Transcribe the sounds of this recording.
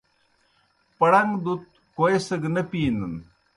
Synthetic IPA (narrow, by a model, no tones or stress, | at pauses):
pɐɽɐŋɡd̪ut̪̚ | koesəɡnɐpiːnən